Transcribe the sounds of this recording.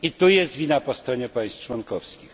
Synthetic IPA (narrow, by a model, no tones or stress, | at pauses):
it̪ujɛst̪vʲinapɔst̪ɾɔɲɛpaj̃st̪t͡ʂwɔnkɔfskʲix